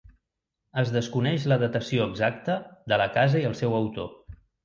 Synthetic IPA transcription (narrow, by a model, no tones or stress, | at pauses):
əzðəskunɛʃləðət̪əsioəɡzak̚t̪əðələkazəiəlˠsɛwəwt̪o̰